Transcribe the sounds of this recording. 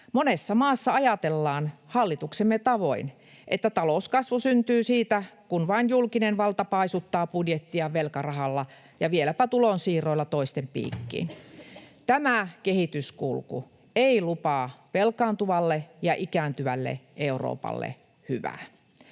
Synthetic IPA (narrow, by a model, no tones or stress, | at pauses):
monesːɑmɑːsːɑɑjɑt̪elːɑːnhɑlːit̪uksemːet̪ɑʋoin | ʔet̪ːæt̪ɑlouskɑsʋusynt̪yːsiːt̪ækunʋɑinjulkinenʋɑlt̪ɑpɑisut̪ːɑːpudjet̪ːiɑʋelkɑrɑhɑlːɑ | jɑʋielæpæt̪ulonsiːroilːɑt̪oist̪empḭːkːḭːn | t̪æmækehit̪yskulkṵ | eilupɑːʋelkɑːnt̪uʋɑlːejɑʔikæːnt̪yʋælːḛʔeuro̰ːpɑ̰lːḛ | hyʋæ̰ː